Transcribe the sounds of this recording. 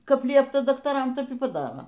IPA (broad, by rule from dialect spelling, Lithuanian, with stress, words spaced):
ˈkɐp ˈlʲiɛptɐ dɐktɐˈrɐm ˈtʲɛp iː pɐˈdɑːroː